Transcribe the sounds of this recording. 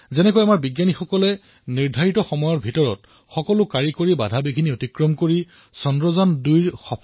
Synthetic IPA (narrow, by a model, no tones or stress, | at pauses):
zɛnɛkɔjamaɹbiɡjanixɔkɔlɛ | niɹdʱaɹitɔxɔmɔjɔɹbʱitɔɹɔt | xɔkɔlʊkaɹikoɹibadʱabikʰiniotikɹɔmkoɹi | sɔndɹɔzandujɹxɔpʰ